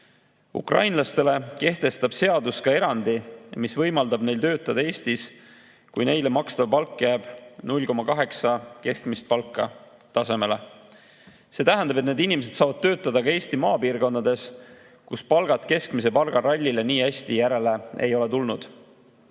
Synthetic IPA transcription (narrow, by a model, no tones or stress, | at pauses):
ṵkrʔɑ̰jnlɑst̪e̞le̞ke̞ht̪e̞st̪ɑb̥se̞ɑd̪uskɑe̞ɾɑnd̪imisvɤ̞jmɑld̪ɑbne̞jlt̪ø̞ːt̪ˑːɑd̪̥ɑe̞ːsʲt̪is | kujne̞jle̞mɑkst̪ɑvɑpɑlkːjæːb̥nulʲko̞mɑkɑɦe̞ksɑke̞skmist̪̚pɑlkˑːɑ | t̪ɑse̞me̞le̞ | se̞ːt̪æɦænd̪̥ɑbeneːd̪inimese̞d̪̥sɑːvɑd̪̚t̪ø̞ːt̪ːˑɑd̪ɑkɑeːst̪imɑːpiːrɡo̞nd̪ɑd̪e̞s | kuspɑlɡ̥ɑt̪ˑke̞skmise̞pɑlɡ̥ɑɾɑlʲːileniːhæsʲt̪ijæɾe̞le̞e̞jo̞le̞t̪ulnud̪̥